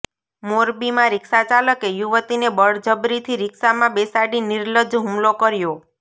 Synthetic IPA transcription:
moɾbimãɾɪksat͡ʃaləkejuʋət̪inebəɽd͡ʒəbɾit̪ʰiɾɪksamãbesaɽiniɾləd͡ʒɦumlokəɾjo

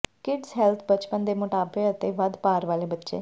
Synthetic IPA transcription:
kɪɖsɦɛːlt̪ʰbət͡ʃpənd̪eːmʊʈaːbeət̪eːʋəd̪paːɾʋaːleːbətːʃḛː

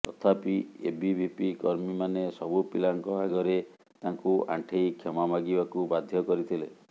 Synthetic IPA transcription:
t̪ɔt̪ʰapiebibʱipikɔɾmimanesɔbupilaŋkɔaɡɔɾe | t̪aŋkuʔã̰ʈʰejkʰemamaɡibakubad̪ʱjɔkɔɾit̪ʰile

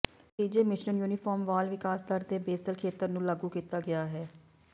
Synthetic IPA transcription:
ʈiːd͡ʒeːmɪʃnəljuːnɪpʰɔːɾmʋaːlʋɪkaːsd̪əɾd̪eːbeːsəlkʰeːt̪əɾnũːləɡũːkiːt̪aːɡɪaːɦɛː

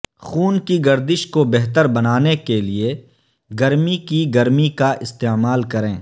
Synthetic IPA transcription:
xuːnkiɡɐɾd̪ɪʃkobɛɦt̪əɾbɐnaːnekelie | ɡɐɾmikiɡɐɾmikaʔɪst̪eːmaːlkɐɾẽː

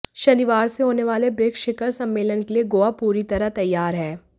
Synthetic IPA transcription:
ʃɐniʋaːɾseɦoːneʋaːlebɾeːkʃɪkəɾsɐ̃mːeːlənkelieɡoːapuːɾit̪ɐɾət̪ɐjːaːɾɦɛː

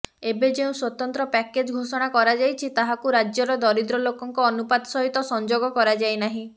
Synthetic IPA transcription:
ebed͡ʒeũswɔt̪ɔnt̪ɾɔpɛked͡ʒɡʱosɔɽ̃akɔɾad͡ʒajt͡ʃʰit̪aɦakuɾad͡ʒjɔɾɔd̪ɔɾid̪ɾɔlokɔŋkɔːnupad̪sɔɦit̪ɔsɔnd͡ʒoɡɔkɔɾad͡ʒajnaɦĩ

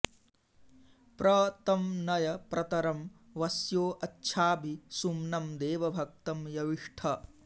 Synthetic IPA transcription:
pɾɐt̪ɐmnɐjɐpɾʔɐt̪ɐɾɐm | ʋɐsjoːʔɐtːʃʰaːbʱisumnɐmd̪eːʋɐbʱɐk̚t̪ɐmjɐʋiʂʈʰɐ

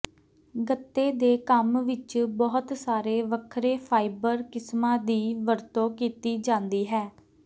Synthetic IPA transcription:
ɡət̪ːeːd̪eːkəmʋɪt͡ʃbɔːʊt̪saːɾeːʋəkʰɾeːpʰaːɪbəɾkɪsmãːd̪iːʋəɾt̪õːkiːt̪iːd͡ʒãːnd̪iːɦɛː

